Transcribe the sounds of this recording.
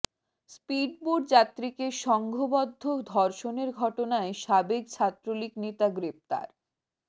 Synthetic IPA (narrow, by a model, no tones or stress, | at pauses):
spiɖ̚boɖd͡ʑat̪ːɾikeʃɔŋɡʱobɔd̪ʱːod̪ʱɔɾʃoneɾɡʱɔʈonaeʃabek̚t͡ɕʰat̪ːɾoliknit̪aɡɾep̚t̪a̰ɾ